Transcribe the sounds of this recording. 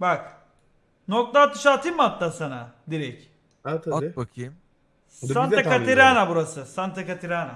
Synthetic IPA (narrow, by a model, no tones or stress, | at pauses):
bak | nok̚t̪at̪ːɯ̥ʃaːt̪ʰimat̪ːasana̰d̪iɾɛc | at̪ʰbakʰɯm | sant̪akaiɾaːnabuɾasɯsant̪ʰakat̪ʰiɾaːna